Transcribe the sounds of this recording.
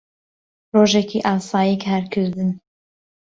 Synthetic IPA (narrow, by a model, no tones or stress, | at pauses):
roːʒɛkiːʔɑːsɑːjikhɛɾkʰɨzd̪ɨn